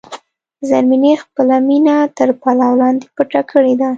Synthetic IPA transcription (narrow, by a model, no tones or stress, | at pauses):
zaɾminexpəlaminat̪əɾpalawlɑnd̪epəʈakʰəɽed̪a